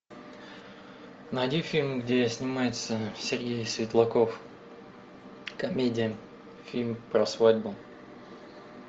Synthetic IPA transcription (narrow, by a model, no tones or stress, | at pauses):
nəɐdʲinfʲilʲmɡdʲesʲnʲɪmajɪt̪səsʲɪrʲɡʲejsvʲɪt̪lˠɐkof | kɐmʲedʲɪjə | fʲilʲmpɾɐsvadʲbʊ